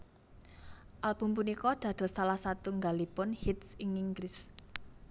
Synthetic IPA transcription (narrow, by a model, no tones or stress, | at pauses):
ʔalb̥ṳmpunikɔd̪̥ä̤d̪̥ɔ̤salahsat̪uŋɡalipʊnhit̪sɪŋiŋɡlɪs